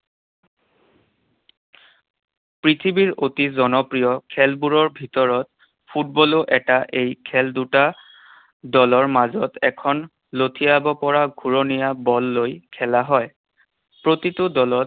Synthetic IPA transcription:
pɹitʰibiɹotizɔnɔpɹijɔkʰɛlbuɹɔɹbʱitɔɹɔt̚ | pʰut̚bɔloʔɛtaʔejkʰɛlduta | dɔlɔɹmazɔtɛkʰɔn | lotʰijabɔpɔɹaɡʱuɹonijabɔlːojkʰɛlaɦɔj | pɹotitʊdɔlɔt̚

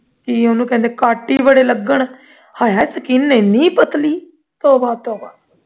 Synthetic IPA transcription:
kionũːkɛ̃ːnd̪eːkaːʈːiːbəɽeːləɡəɳ | haːjaːsəkiːnːeːnĩːpət̪liː | t̪oːbaːt̪oːbaː

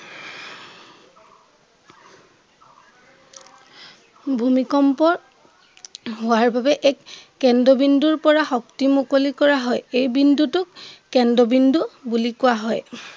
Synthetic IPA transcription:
bʱumikɔmpɔ | ɦʊwaɹbabɛʔɛkː | ɛndɔbinduɹpɔɹaxɔktimukolikɔɹaɦɔjejbindutʊkkɛndɔbindubulikʊaɦɔj

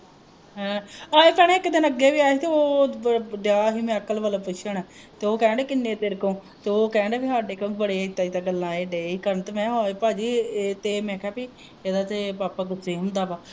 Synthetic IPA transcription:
ɦɛ̃ːaːepɛːɽeːɪkd̪ɪnəɡːeːʋiːaːiːt̪eoː | d̪aːɦiːmɛ̃ːəkəlʋəːlaːpʊʃʰəɳɛː | t̪eːoːkɛ̃ːɳɖeːkɪnːeːt̪eɾkõː | t̪eːoːkɛ̃ːɳɖeːbiːɦaːɖeːkəbəɽeːɪt̪ːaːit̪aːɡəlːãːeːɖeːiːkəɾənt̪ːmɛ̃ːɦoːepaːd͡ʒiːt̪eːmɛ̃ːkʰɛːpiː | eːd̪aːt̪epaːpaːɡʊseːəmd̪aːpaː

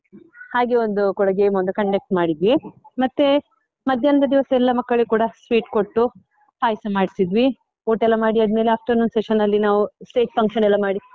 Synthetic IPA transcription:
haːɡeond̪ukuɽɐɡeːjmond̪ukɐɳɖek̚ʈmaːɽid̪ʋimɐt̪ːe | mɐd̪ʱjɐnɐd̪ɐd̪iʋɐsɐɛlːɐmɐkːɐɭekuːɽɐsʋiːʈko̞ʈːu | paːjsɐmaːɽisid̪ʋi | oːʈɛlːɐmaːɽiɐd̪me̞ːleaːp̚ʈonoːnseʃɐnːɐlːinaːʋusʈeːt͡ʃpʰɐŋkʃɐnɛlːɐmaːɽi

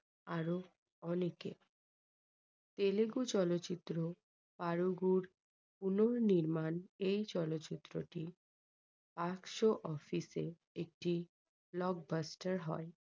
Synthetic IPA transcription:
aɾo | ɔnekḛ | t̪eleɡut͡ɕɔlotːɕit̪ːɾo | paɾuɡuɾ | punoɾniɾmanejt͡ɕɔlotːɕit̪ːɾoʈi | pakʃoʔɔfisḛ | ek̚ʈi | blɔɡ̚basʈaɾɦɔ̰e

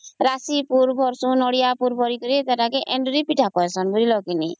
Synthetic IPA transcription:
ɾasipuɾbʱɔɾsunɔɽijapuɾbʱɔɾikɔɾit̪ɛʈakeʔɛɳɖɾipiʈʰakɔesɔnbuɾilɔkini

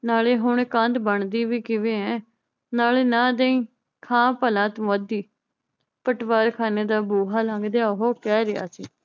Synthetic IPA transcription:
naːleːɦʊɳkə̃nd̪bəɳd̪iːʋiːkɪʋeːɛ̃ː | naːleːnãːd̪ẽĩː | kʰãːpəlãːt̪mod̪iː | pəʈʋaːɾkʰaːneːd̪aːboːɦaːlãːɡd̪eaːɦoːkɛːɾɪɦa̰ːsḭː

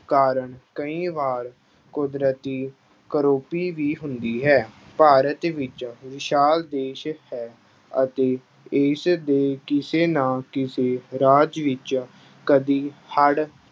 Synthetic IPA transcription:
kaːɾəɳkəĩːʋaːɾ | kʊd̪ɾət̪iː | kəɾoːpiːʋiːɦʊnd̪iːɦɛːpaːɾət̪ʋɪt͡ʃʋɪʃaːld̪eːʃhɛː | ə̰t̪eː | ɪsd̪eːkɪseːnãːkɪseːɾaːd͡ʒʋɪt͡ʃ | kəd̪iːhəɽ

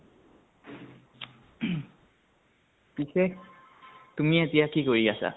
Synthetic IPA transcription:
pisek | tumietijakikoɹiɡasa̰

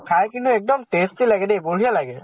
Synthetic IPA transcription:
kʰajkintʊɛk̚dɔmtestilaɡɛdejbol̤ijalaɡɛ

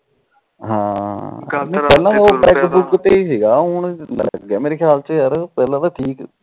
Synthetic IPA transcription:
ɦãː | nẽːpɛːlãːd̪aːoːʈɾɛːkːbʊkt̪eiːsiːɡaːɦʊɳlə̰ɡjã̰ːmeːɾeːkʰjaːlt͡ʃəɦəɾpɛːlãːd̪aʈʰiːk

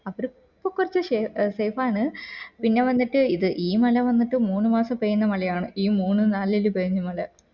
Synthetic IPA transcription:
ɐʋɐɾu | pːɐkːurɐt͡ɕːɨʂesejfaːɳɨpinːe̞ʋɐnːiʈːɨiðɨʔiːmɐlɐʋɐnːiʈːɨmuːnːumaːsɐpejunːɐmɐlɐjaːɳɨʔiːmuːnːɨnaːlːilupeːiɲːɐmɐlɐ

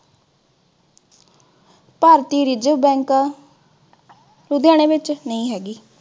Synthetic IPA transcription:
paːɾt̪iːɾɪd͡ʒəbɛ̃ːŋkaː | ɾʊd̪jãːɽ̃eːʋɪt͡ʃnəĩːɦɛːɡiː

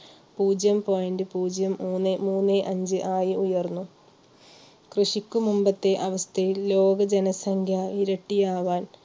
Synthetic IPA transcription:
puːd͡ʑjɐmpo̞ːjɐndɨpuːd͡ʑjɐmuːnːemuːnːeʔɐɲd͡ʑɨʔaːjiujɐrnːu | krɨʂikʲːumumbɐt̪ːe̞ʔɐʋɐst̪ʰɐjilːo̞ːɡɐd͡ʑenɐsɐŋkʰjaiɾɐʈːijaːʋaːn

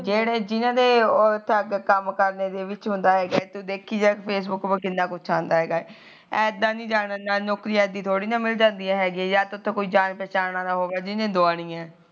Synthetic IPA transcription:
d͡ʒeːɽeːd͡ʒɪnãːd̪eːɔːɾt̪ʰəɡkəmkəɾneːd̪eːʋɪt͡ʃɦʊ̃nd̪aːɦɛːɡaːɛːt̪ud̪eːkʰːiːd͡ʒaːkpʰeːs̬bʊkbəkɪnːaːkʊt͡ʃʰãːnd̪aːɦɛːɡaːɛ | ɛːd̪ãːnĩːd͡ʒaːnanaːnɔːkɾiːãɛd̪iːt̪ʰoːɽiːnãːmɪld͡ʒãːnd̪ijãːɦɛːɡãːjaːt̪ʊt̪ʰːõːkoːiːd͡ʒaːnpɛːt͡ʃaːnãːd̪aːɦoːʋaːd͡ʒɪnẽːd̪oaːɽĩːɛ̃ː

